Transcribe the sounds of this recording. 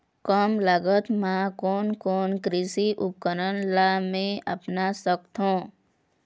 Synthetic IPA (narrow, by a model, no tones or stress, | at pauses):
kəmləɡət̪mãkoːnkoːnkɾɪsiʔʊp̚kəɾənlamẽəpnasəkt̪ɦũ